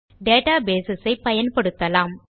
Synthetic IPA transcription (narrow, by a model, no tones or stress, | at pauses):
ɖeːʈaːbeːsɪsɐɪpɐjɐnpɐɽɯt̪ːɐlaːm